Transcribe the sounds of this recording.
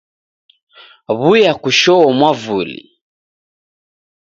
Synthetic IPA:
βujakuʃɔɔmwavulḭ

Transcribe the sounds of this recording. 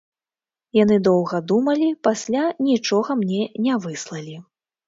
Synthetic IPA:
janɨd̪ɔwɣɐd̪umɐlʲipasʲlʲanʲit͡ʂɔɣɐmnʲɛnʲɛvɨslˠɐlʲi

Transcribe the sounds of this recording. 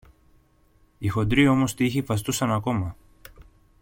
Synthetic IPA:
ixo̞d̪ɾio̞mo̞st̪içifɐst̪usɐnɐko̞mɐ

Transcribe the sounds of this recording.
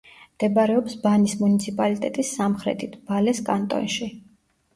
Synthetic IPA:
md̪̥ɛbaɾɛɔpsbanismunit̪sʰipʼalit̪ʼɛt̪ʼisːamχɾɛ̰t̪ʰit̪ʰb̥alɛskʼant̪ʼɔ̰nʃi

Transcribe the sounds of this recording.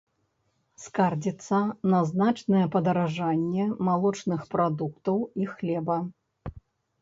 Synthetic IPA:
skard͡zʲit̪sːɐnɐznat͡ʂnɐjɛpɐd̪ɐɾaʐanʲːɛmalˠɔt͡ʂnɨxpɾad̪ukt̪ɐwixlʲɛbɐ

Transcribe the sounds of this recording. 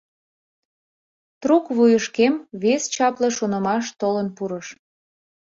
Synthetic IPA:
t̪ɾukβujəʃkemβest͡ɕɑpləʃunəmɑʃt̪olənpuɾəʃ

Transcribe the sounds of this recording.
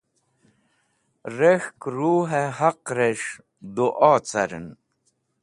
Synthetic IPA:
ɾexkɾuːɦehaqɾeʂ | d̪uʔɔːt͡sɐ̰ɾə̰n

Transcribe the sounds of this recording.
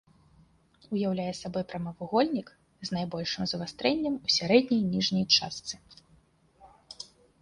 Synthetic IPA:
ujawlʲajɛsabɔjpɾɐmɐvuɣɔlʲnʲik | znajbɔlʲʂɨmzɐvast̪ɾɛnʲːɐmusʲaɾɛd̪ʲnʲɐjnʲiʐnʲɐjt͡ʂa̰st̪sɨ

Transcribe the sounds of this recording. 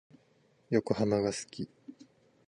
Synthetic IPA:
jo̞kɯ̟hamaɡasɨ̥kʲi

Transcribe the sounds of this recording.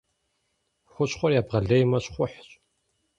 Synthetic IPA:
xʷʊɕχʷɔrjaːbʁɐɮejmɐɕχʷʊħɕʼ

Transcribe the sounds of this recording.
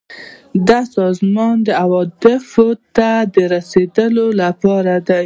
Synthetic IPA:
d̪asɑzmɑnd̪əawɑd̪ɪfot̪ad̪əɾased̪əlolapɑɾad̪aj

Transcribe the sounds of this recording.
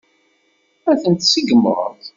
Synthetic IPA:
æθənt̪səɡəmːə̰ɾˤə̰t

